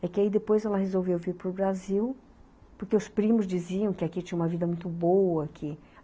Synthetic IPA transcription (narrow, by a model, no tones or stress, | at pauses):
ɛkɪaid̪epojzɛlɐɦezowvewviɾpɾʊbɾaziw | pʊɾkeʊspɾĩmʊzd͡ʒiziɐ̃w̃kɪakit͡ʃĩɐ̃umɐvid̪ɐmũj̃t̪ʊbowɐkʰɪ